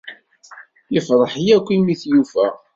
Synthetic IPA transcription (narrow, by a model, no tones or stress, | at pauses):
jəfðˤəħjækʷːimiθjufæ̰